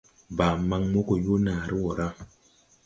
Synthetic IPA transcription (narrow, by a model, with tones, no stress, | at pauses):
ba˨ma˦ŋmo˦ko˨jo˦na˨ɾi˦wo˨ɾa˦